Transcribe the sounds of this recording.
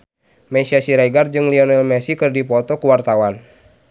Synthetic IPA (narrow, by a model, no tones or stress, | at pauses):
mɛsiasiɾaɡard͡ʒɨŋliɔnɛlmɛsikɨrdipɔt̪ɔkuwart̪awan